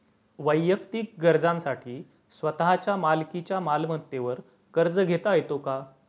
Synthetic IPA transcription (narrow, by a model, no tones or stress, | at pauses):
ʋəjːək̚t̪iːk̚ɡəɾd͡zãnsaʈʰiː | sʋət̪aɦat͡ɕjamalkit͡ɕjamalmət̪ːeʋəɾ | kəɾd͡zəɡʱet̪ajet̪oka